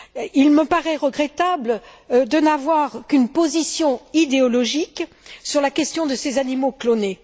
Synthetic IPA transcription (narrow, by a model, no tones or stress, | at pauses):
ilməpaʁɛʁəɡʁɛt̪abld̪ənavwaʁkynpozisjɔ̃id̪eɔlɔʒik | syʁlakʲɛst̪jɔ̃d̪əsezanimoklone